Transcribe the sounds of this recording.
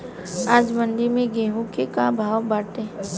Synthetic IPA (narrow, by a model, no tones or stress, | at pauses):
aːd͡ʒmə̃nd̪ɪɾmẽɡeːɦũkekabʱaːwbaːʈ̪ẽː